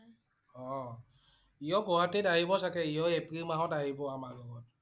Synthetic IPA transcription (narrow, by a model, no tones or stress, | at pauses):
ɔ | ijɔɡɔɦatedaɦibɔsakɛijɔɛpɾimaɦɔtaɦibɔamaɡɔɔt̚